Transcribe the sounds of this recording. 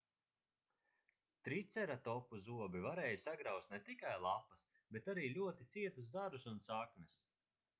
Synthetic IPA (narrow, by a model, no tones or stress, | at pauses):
t̪ɾit̪sɛɾat̪ɔpuzuɔbivaɾɛːjusaɡɾawst̪nɛt̪ikajlˠapːɐs | bet̪aɾiːlʲuɔt̪it̪siɛt̪uszaɾusunsaknʲɛs